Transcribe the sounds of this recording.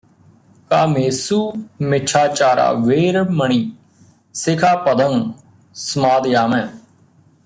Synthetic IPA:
kaːmeːsuːmɪt͡ʃʰaːt͡ʃaːɾa̰ːʋeːɾməɳiː | sɪkʰaːpəd̪ən | səmaːd̪jaːmɛ̃ː

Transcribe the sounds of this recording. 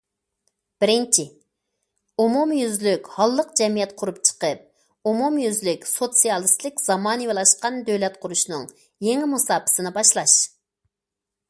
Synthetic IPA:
b̥ɪɾɪnt͡ʃʰɪ | umumjyzlykʲhɑlˠːəq̚d͡ʒɛmijɛt̪qʰʊɾupt͡ʃʰə̥qəp̚ | umumjyzlykʲsot̪sijɑlˠɨst̪lɪkʲz̥ɑmɑːnɨwelˠɑʃqɑnd̪øwlɛt̪qʰʊɾuʃnɨŋ | jeŋɪmusɑːpʰɨ̥sɨnɨbɑʃlˠɑʃ

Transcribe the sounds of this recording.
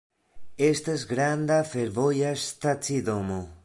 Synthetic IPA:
est̪azɡɾand̪afeɾβojast̪at͡siðomo

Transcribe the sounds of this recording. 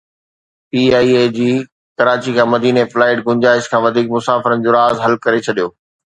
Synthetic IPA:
piːaːied͡ʑiː | kɐɾaːt͡ɕikʰãːmɐd̪iːneflaːɪʈɡʊ̃ɲd͡ʑaːɪʃkʰãːʋɐd̪ʱiːk̚mʊsaːfɪɾənɪ̆d͡ʑoːɾaːzɦɐlkɐɾet͡ɕʰɐɗijoː

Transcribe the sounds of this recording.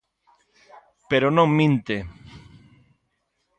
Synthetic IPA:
peɾonõŋmĩnt̪e

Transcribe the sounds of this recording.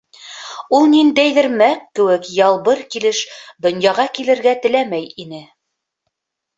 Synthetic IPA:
ulˠnind̪æjðɘ̆ɾmækːɘ̆wɘkjɑlˠβɤɾkilɘʃd̪ŏnjɑʁɑkilɘ̆ɾɡæt̪ɘ̆læmæjinɘ

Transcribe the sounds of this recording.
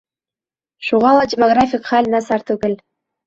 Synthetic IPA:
ʃuʁɑlˠɑdʲemoɡrafʲikχælʲnɑsɑrt̪uɡʲɘ̆lʲ

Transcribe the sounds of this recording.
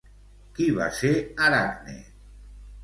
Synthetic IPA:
kiβa̰seaɾaɾnḛ

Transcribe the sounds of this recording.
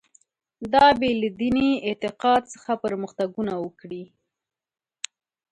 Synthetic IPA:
d̪ɑbelad̪iniɪt̪ɪqɑd̪̚sə̥xapəɾməxt̪aɡunawəkɽi

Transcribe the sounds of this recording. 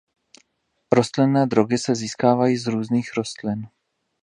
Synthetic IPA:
ɾo̞st̪lɪnːɛːd̪ɾo̞ɡɪsɛziːskaːvajiːzɾuːzniːxɾo̞st̪lɪn

